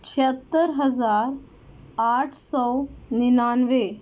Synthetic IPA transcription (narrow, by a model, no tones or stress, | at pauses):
t͡ʃʰiət̪ːəɾɦɐzaːɾ | aːʈʰsɔːninaːnʋe